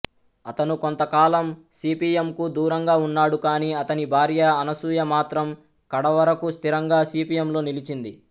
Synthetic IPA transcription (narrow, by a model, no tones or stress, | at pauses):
ɐt̪ɐnukont̪ɐkaːlɐmsiːpiːjemkud̪uːɾɐŋɡaːunːaːɽukaːniːɐt̪ɐnibʱaːɾjɐɐnɐsuːjɐmaːt̪ɾɐm | kɐɽɐʋɐɾɐkust̪ʰiɾɐŋɡaːsiːpiːjemlo̞ːnilit͡ʃind̪i